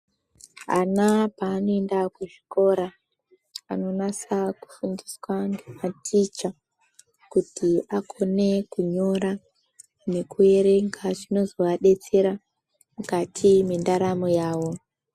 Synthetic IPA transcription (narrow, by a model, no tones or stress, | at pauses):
anapaːno̞e̞ndakuʐiko̞ɾa | ano̞nasaku̥fundiswaŋɡematʰit͡ʃa | kutʰiakʰo̞ne̞kuɲo̞ɾa | ne̞kue̞ɾe̞ŋɡat͡ʃino̞zo̞ʋaɗe̞t͡se̞ɾa | mukatʰimendaɾamojaːwo̞